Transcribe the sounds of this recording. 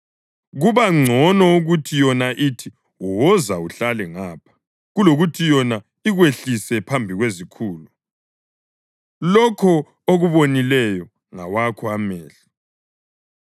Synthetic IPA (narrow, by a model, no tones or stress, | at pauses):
ɣuβaŋ͡ǀʱɔnɔuɣutʰijɔnaʔitʰi | uwɔzauɬalɛŋaːpʰḁ | ɣuloɣutʰijɔna | iɣweɬisɛpʰambʱiɣwezikʰuːlu | lɔkʰɔ | oɣuβonilɛjɔ | ŋa̰wakʰɔamɛːɬi̥